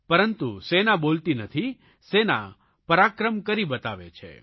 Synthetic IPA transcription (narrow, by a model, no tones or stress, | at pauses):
pəɾənt̪usenabolt̪inət̪ʰi | sena̰ | pəɾakɾəmkəɾibət̪aʋḛt͡ʃʰḛ